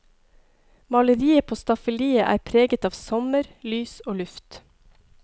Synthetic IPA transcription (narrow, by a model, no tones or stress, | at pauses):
mɑləɾiːəpʰoːst̪ɑfəliːəʔæ̰ːɾpʰɾeːɡət̪ɑːʋsɔməɾlyːsoːlʉft̪